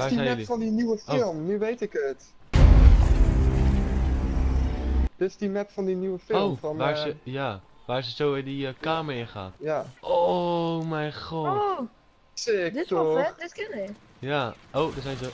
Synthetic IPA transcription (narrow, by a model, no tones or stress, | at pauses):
adimɛlifɔndiniwəfɪlˠmnyʋejtɪkət | d̥ɪtɪsdimɛpfɔndinywəfɪolˠmfɔnʋaːsəja | ʋaːɪsəzowɪdiəkaːməɪnχa̰ːtjaomɛjχɔ | sɪkdɪtɔdɪtkɪnɪk | jaʔowdəsɛjnzo